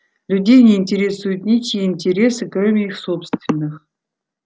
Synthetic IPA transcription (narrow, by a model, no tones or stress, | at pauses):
lʲudʲejnʲeinʲtʲɪɾʲesujʊt̪nʲit͡ʃijinʲtʲɪɾʲesɨkromʲɪixsopst̪vʲɪnːɨx